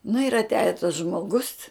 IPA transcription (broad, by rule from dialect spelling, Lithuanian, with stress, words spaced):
nʊ ɪr ɐtʲˈæːjɛ tɐs ʒmoːˈɡʊs